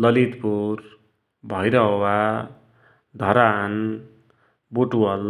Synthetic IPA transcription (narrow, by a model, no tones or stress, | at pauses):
lʌlit̪puɾ | bʱʌjɾʌɦwa | d̪ʱʌɾan | buʈuwʌl